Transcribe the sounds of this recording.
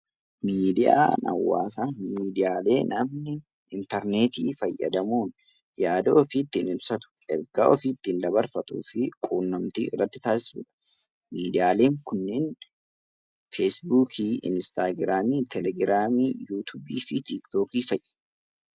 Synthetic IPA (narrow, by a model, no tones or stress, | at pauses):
miːd̪ɪja̰ːnɐ̰wːa̰ːsamiːd̪ɪjaːle̞ːnɐmnɪ | ɪnt̪ɐɾne̞ːt̪iːfɐjːɐ̰d̪ɐmuːn | jaːd̪oːfɪt̪ːɪnɪbsɐt̪ʊ̥ɛ̰ɾɡaːʔɔfiːt̪ːɪnd̪ɐbɐɾfɐt̪ʼṵːfɪkʼuːnːɐmt̪iːɪrːɐt̪ːɪt̪aːsɪ̥sṵːᶑɐ̥ | miːd̪ɪjaːle̞ːŋkʊnːeːn | feːsbuːkʰiːʔɪ̰nst̪aːɡɾaːmiːt̪ʰɛlɛɡɾaːmiːjuːt̪ʰuːbiːfɪt̪ikt̪o̞ːkiːfɐjʔːɐ̥